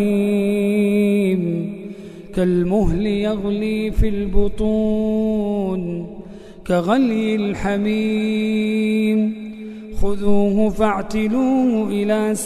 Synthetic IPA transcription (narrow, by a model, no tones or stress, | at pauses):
m | kalmʊɦlɪjaɣliːfilbʊt̪ˤu | n | kaɣaljɪlħami | m | xʊðuːɦʊfaʕt̪ɪluːhʊʔɪlaːs